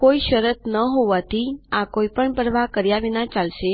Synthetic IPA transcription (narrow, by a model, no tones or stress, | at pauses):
koiʃəɾət̪nəɦoʋat̪ʰiakoipəɳpəɾʋakəɾjaʋinãt͡ʃalʃe